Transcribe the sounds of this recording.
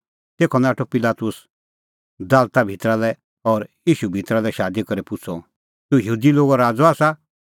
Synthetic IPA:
t̪eːkʰɔnaːʈʰɔpɪlaːt̪ʊs | d̪aːlt̪abʱit̪ɾalɛ | ɔɾjiːʃubʱit̪ɾalɛʃaːd̪ikɔɾepʊt͡sʰɔ | t̪ũjɦuːd̪iloːɡɔɾaːd͡zɔaːsa

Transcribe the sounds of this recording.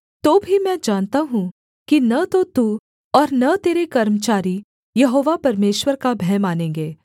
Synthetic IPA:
t̪oːbʱimɛ̃ːd͡ʒaːnt̪aɦũ | kinɐt̪ot̪uː | ɔːɾnɐt̪eːɾekɐɾmət͡ʃaːɾi | jɐɦoːʋapɐɾmeːʃwəɾkabʱɛːmaːnẽːŋɡeː

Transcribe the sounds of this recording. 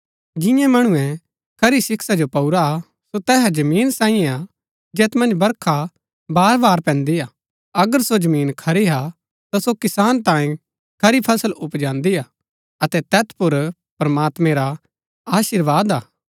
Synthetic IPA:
d͡ʒɪ̃jãmɐɽ̃ʊ̃ɛ̃ | kʰɐɾisɪksad͡ʒopɐuɾa | sot̪ɛːɦɛd͡ʒɐmiːnsãːĩɛ̃a | d͡ʒeːt̪mɐ̃nd͡ʒbɐɾkʰa | baːɾbaːɾpɛ̃ːnd̪iaː | ɐɡəɾsod͡ʒɐmiːnkʰɐɾiɦa | t̪asokɪsaːnt̪ãːĩ | kʰɐɾipʰɐsəlʊpd͡ʒãːnd̪iaː | ɐt̪ɛt̪ɛːt̪ʰpʊɾ | pɾɐmaːt̪mɛ̃ɾa | aːʃɪɾʋaːd̪aː

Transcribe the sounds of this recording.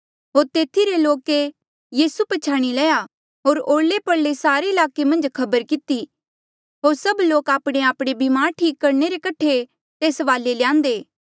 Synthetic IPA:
ɦoːɾt̪eːt̪ʰiɾeloːke | jiːsupɐt͡ʃʰaːɽ̃ilɛːja | ɦoːɾoːɽlepɐɽlesaːɾeɪlaːkemɐ̃nd͡ʒkʰɐbəɾkɪt̪i | ɦoːɾsɐbloːkaːpɽ̃eaːpɽ̃ebɪmaːɾʈʰiːkːɐɾneɾekɐʈʰːe | t̪eːsʋaːleljãːnd̪eː

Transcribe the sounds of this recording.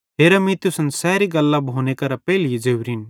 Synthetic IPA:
ɦeːɾamĩt̪ʊsənsɛːɾiɡɐlːabʱoːnekɐɾapɛːlid͡zeːwɾin

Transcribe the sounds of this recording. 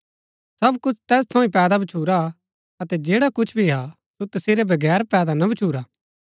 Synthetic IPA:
sɐbkʊt͡ʃʰt̪ɛːs̬t̪ʰɐ̃ːĩpɛːd̪abɐt͡ʃʰuːɾa | ɐt̪ɛd͡ʒeːɽakʊt͡ʃʰbʱiɦa | sot̪ɐseːɾɛbʱɐɡɛːɾpɛːd̪anɐbʱɐt͡ʃʰuːɾaː

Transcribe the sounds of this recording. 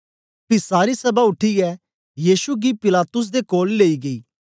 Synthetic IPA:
pɪsaːɾisɐbaʊʈʰːiɛ | jiːʃuɡipɪlaːt̪ʊs̬d̪ekoːlːeːiɡɐḭː

